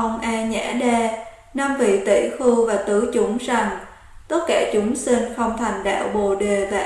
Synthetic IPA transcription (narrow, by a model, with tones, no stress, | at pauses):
ʔə˧wŋ͡mʔaː˧ɲa̰˧˥ɗɛː˧ | na˧mvḭ˧˨t̪ḭ˧˩xɨ˧vaː˨˩t̪ɨ˨˦t͡ɕʊ˨˦ŋ͡mza˨˩ŋ | t̪ə˦˥t̚kaː˧˩t͡ɕʊ˨˦ŋ͡msi˧ŋxə˧wŋ͡mt̪ʰa˨˩jŋ̟ɗa̰ː˧˨wɓo̰˧˨ɗe˨˩vaː˨˩